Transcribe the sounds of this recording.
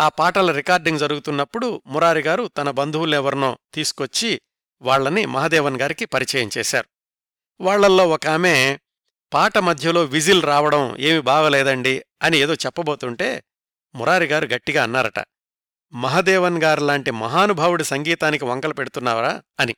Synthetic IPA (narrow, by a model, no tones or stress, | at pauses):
aːpaːʈɐlɐɾikaːɾɖiŋɡd͡ʒɐɾuɡut̪unːɐpːuɽumuɾaːɾiɡaːɾut̪ɐnɐbɐnd̪ʱuwulɛʋɐɾnoːt̪iːsu̥kot͡ʃːi | ʋaːɭːɐnimɐɦɐd̪ɛːʋɐnɡaːɾikipɐɾit͡ʃɐjɐɲt͡ʃɛːʃa̰ːɾu | ʋaːɭːɐlːo̞ːɔkaːmeː | paːʈɐmɐd̪ʱjɐlo̞ːʋid͡ʒilɾaːʋɐɽɐme̞ːmibaːɡɐlɛːd̪ɐɳɖiɐnie̞ːd̪o̞ːt͡ʃɛpːɐbo̞ːt̪uɳʈe̞ː | muɾaːɾiɡaːɾuɡɐʈːiɡaːnːaːɾɐʈɐ̰ | mɐɦɐd̪ɛːʋɐnɡaːɾlaːɳʈimɐ̰ɦaːnubʱaːʋuɽisɐŋɡiːt̪aːnik̬iʋɐŋkɐlɐpeɽut̪unːaːɾaːɐni